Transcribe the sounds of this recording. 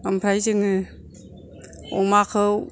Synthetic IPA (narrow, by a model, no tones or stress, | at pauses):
ampʰɾajzɯŋɯ | ɔ̰ŋmakʰɯw